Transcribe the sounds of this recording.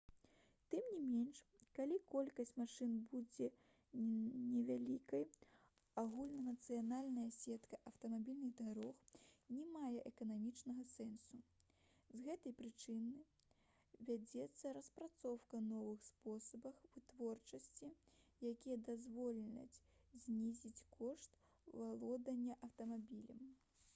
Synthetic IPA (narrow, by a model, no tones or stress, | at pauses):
t̪ɨmnʲimʲenʂkalʲikɔlʲkɐsʲt͡sʲmaʂɨnbud͡zʲɛ | nʲɛvʲalʲikɐj | aɣulʲnɐnɐt̪sɨjanalʲnɐjɐsʲɛt̪kɐʔɐwt̪ɐmabʲilʲnɨɣd̪aɾɔxnʲɛmajɛʔɛkɐnamʲit͡ʂnɐɣɐsɛnsu | zɣɛt̪ɐjpɾɨt͡ʂɨnɨ | vʲad͡zʲɛt̪sːɐɾɐspɾat̪sɔwkɐnɔvɨxspɔsɐbɐxvɨt̪vɔrt͡ʂɐsʲt͡sʲijakʲijɐd̪azvɔlʲɐ̰t͡sʲzʲnʲizʲit͡sʲkʰɔʂt̪ | valˠɔd̪ɐnʲːɐʔɐwt̪ɐmabʲilʲɐm